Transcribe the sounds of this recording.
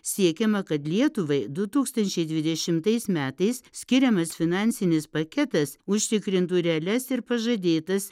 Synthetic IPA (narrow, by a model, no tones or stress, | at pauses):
sʲiɛkʲɛmɐkɐt̪lʲiɛt̪ʊʋɐɪd̪ʊt̪uːkst̪ɐnʲt͡ʃʲɛɪd̪ʲʋʲɪd̪ʲɛʃʲɪmt̪ɐɪsmʲæːt̪ɐɪssʲkʲɪɾʲɛmɐsfʲɪnɑˑnʲsʲɪnʲɪspɐkʲɛt̪ɐsʊʃʲt̪ʲɪkɾʲɪnt̪ʊɾʲɛːlʲɛsɪɾpɐʒɐd̪ʲeːt̪ɐs